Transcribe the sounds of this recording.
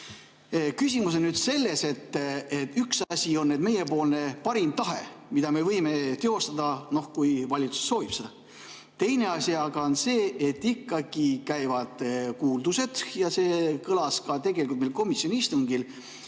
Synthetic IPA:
kysʲimus̬onnyd̪̥se̞lːe̞se̞t̪ːet̪ːyksɑsʲio̞nːed̪̚me̞je̞po̞ːlne̞pɑɾimt̪ɑɦe̞̰mid̪̥ɑme̞vɤjme̞t̪e̞o̞st̪ɑd̪ɑno̞hkujvɑlʲit̪su̥sːo̞ːvipse | t̪e̞jne̞ɑsʲiɑɡ̥ɑonse̞ːet̪ːikːɑɡ̥ikæjvɑd̪̥kuːld̪use̞d̪̥jɑse̞ːkɤlɑskɑt̪e̞ɡ̥e̞likult̪melko̞misʲio̞nʲiist̪uŋɡ̥il

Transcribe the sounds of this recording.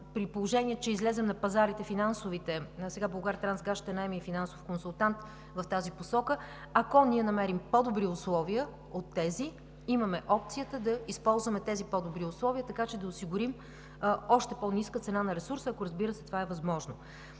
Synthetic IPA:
pɾipolˠoʒɛniɛt̪t͡ʃɛizlɛzɛmnɐpɐzaɾit̪ɛfinansovit̪ɛsɛɡabolˠɡaɾt̪ɾanzɡaʃt̪ɛnaɛmiifinansofkonsʊlˠt̪ant̪ | vɐft̪aziposɔkə | ɐkɔnʲiɛnɐmɛɾimpɔd̪obɾiʊslˠɔviə | ot̪ːɛzi | imɐmɛʔɔpt̪sijət̪əd̪ɐispɔlˠzvəmɛt̪ɛzipɔd̪obɾiʊslˠɔviət̪ɐkat͡ʃɛd̪ɐʊsiɡʊɾim | ɔʃt̪ɛponiskət̪sɛnanɐɾɛsuɾsəːkoɾɐzbiɾəsɛt̪o̥vaɛvɐzmɔʒno

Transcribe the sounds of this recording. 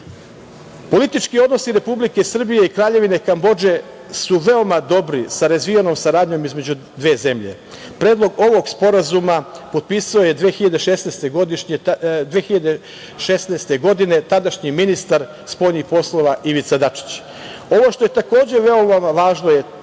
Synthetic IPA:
po̞lit̪it͡ʃkio̞d̪no̞siɾe̞publike̞sr̩bije̞ikɾaːʎe̞ʋine̞kambo̞d͡ʒe̞ | suʋe̞o̞mad̪o̞bɾisaɾazʋijano̞ːmsaɾaːd̪ɲo̞mizmed͡ʑu | d̪ʋe̞ːze̞mʎe̞̰ | pɾeːd̪lˠo̞ɡo̞ʋo̞ɡspo̞ɾazumapo̞d̪̚piːsao̞je̞d̪ʋeːxiʎad̪eʃesneːst̪e̞ɡod̪iʃed̪ʋexiʎad̪e | ʃesneːst̪e̞ɡo̞d̪ine̞t̪ad̪aʃɲiminist̪aɾ | spo̞jnixpo̞slˠo̞ʋaʔiʋit̪sad̪at͡ʂi̥t͡ɕ | o̞ʋo̞ʃt̪o̞je̞t̪ako̞ːd͡ʑe̞ʋe̞o̞mamaʋaːʒno̞je

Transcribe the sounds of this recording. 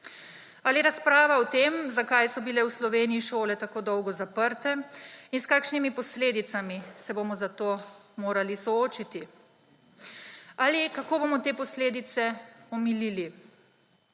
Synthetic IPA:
aːliɛɾaspɾaːʋaɔt̪eːmzakajsɔbilɛwslɔʋeːnijiʃoːlɛt̪akoːd̪ɔwɡɔzapəɾt̪ɛinskaːkʃnimipɔsleːd̪it̪samisɛbomɔzat̪oːmoːɾalisɔoːt͡ʃit̪i | aːlikakoːboːmɔt̪eːpɔsleːd̪it̪sɛɔmilili

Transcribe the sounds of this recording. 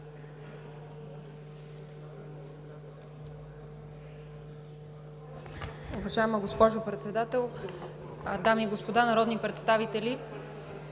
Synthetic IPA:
ʊvɐʒaɛməɡospɔʒopɾɛt̪sɛd̪at̪ɛlˠ | d̪amiːɡospod̪anɐɾɔd̪nipɾɛt̪st̪avit̪ɛlʲi

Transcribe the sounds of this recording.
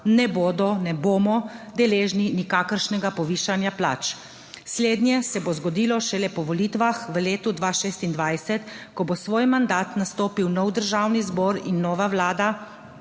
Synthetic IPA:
nɛboːd̪ɔnɛboːmɔd̪ɛleːʒninikaːkəɾʃnɛɡapɔʋiːʃanjapla̰ːt͡ʃ | sleːd̪njɛsɛbozɡɔd̪iːlɔʃɛlɛpɔʋɔliːt̪ʋaxʋəleːt̪ud̪ʋaʃeːst̪ind̪ʋajsɛt̪kɔbosʋoːjmand̪aːt̪nast̪oːpiwnɔwd̪əɾʒaːwnizbɔːɾinːɔːʋaʋlaːd̪a

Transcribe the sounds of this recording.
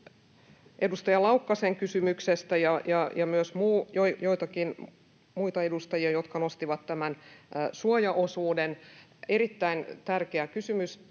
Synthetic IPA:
ʔedust̪ɑjɑlɑukːɑseŋkysymyksest̪æjɑjɑjɑmyøsmuːjoijoijt̪ɑkin | muit̪ɑedust̪ɑjiɑjot̪kɑnost̪iʋɑt̪t̪ːæmænsuojɑʔosuːden | eɾit̪ːæint̪ærkeækysymys

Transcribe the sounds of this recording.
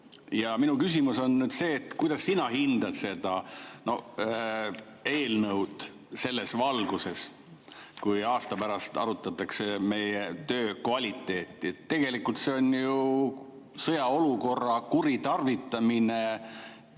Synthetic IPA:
jɑminukys̬ʲimuso̞nnyːd̪se̞ːt̪kujd̪̥ɑsːinɑɦind̪̥ɑd̪se̞d̪̥ɑno̞̰ | e̞ːlnɤwd̪̥ | se̞lːe̞svɑlɡ̥use̞s | kujɑːst̪ɑpæɾɑst̪ɑ̰ɾut̪ːˑɑt̪ːˑɑkse̞me̞jet̪ø̞ːkvɑlʲit̪ːˑe̞ːt̪ːˑiet̪ːe̞ɡ̥e̞likult̪se̞o̞nju | sɤjɑo̞luko̞rːɑkuɾit̪ɑrvit̪ːˑɑmine̞

